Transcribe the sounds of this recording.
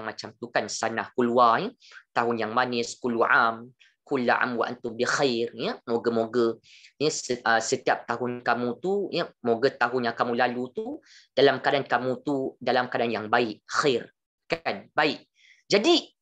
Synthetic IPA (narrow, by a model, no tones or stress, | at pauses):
aŋmat͡ʃamt̪ukansanahkuluai | t̪aɦʊnjaŋmanɪskuluaʔam | kulːaʔa̰mwaʔa̰nt̪ʊmbixajrjəmoɡəmoɡə | jəsʔəsət̪iap̚t̪aɦʊnkamũt̪ujəmoɡət̪aɦʊnjakamũlalut̪u | d̥alamkadankamũt̪udalamkadanjaŋbaɪʔxar | kanbaɪʔ | d͡ʒadi